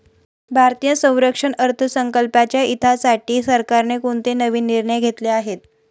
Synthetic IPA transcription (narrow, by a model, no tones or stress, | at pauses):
bʱaɾt̪ijəsə̃w̃ɾəkʂəɳəɾt̪ʰəsəŋkəlpat͡ɕjaʔit̪ʰasaʈiːsəɾkaɾnekoɳt̪enəʋiːnːiɾɳəjɡʱet̪leaɦet̪̚